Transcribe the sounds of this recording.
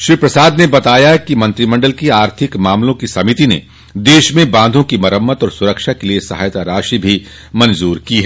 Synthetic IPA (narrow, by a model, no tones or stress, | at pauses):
ʃɾiːpɾɐsaːd̪nebɐt̪aːjakimɐ̃nt̪ɾimɐ̃ɳɖəlkiaːɾt̪ʰɪkmãːmlõkisɐmɪt̪inḛ | d̪eːʃmẽbãːnd̪ʱõkimɐɾəmːət̪ɔːɾsʊɾəkʃakeliesɐɦaːjt̪aɾaːʃibʱi | mɐ̃nzuːɾkiɦɛː